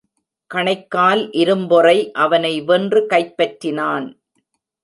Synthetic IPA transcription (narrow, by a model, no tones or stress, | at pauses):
kɐɳɐɪkːaːlʔɪɾɯmbɔrɐɪʔɐʋɐnɐɪʋɛndrɯkɐɪpːɐʈːɪnaːn